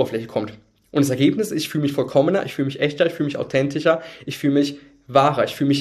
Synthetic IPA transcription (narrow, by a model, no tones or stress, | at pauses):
bɐflɛçəkʰɔmt | ʔʊntas̬ɛɐɡeːpnɪsɪstfyːləmɪçfɔlkʰɔmənɐ̰ʔɪ̰çfyːləmɪçʔɛçtɐɪçfyːlmɪça̰ʊtʰɛntʰɪʃɐʔɪçfyːləmɪç | vaːʁɐɪçfyːlmɪç